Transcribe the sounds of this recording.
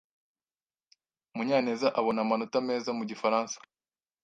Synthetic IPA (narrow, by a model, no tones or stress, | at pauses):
muɲaːnezaʔaβo̞namanotame̞ːzamuɟifaɾaːnsḁ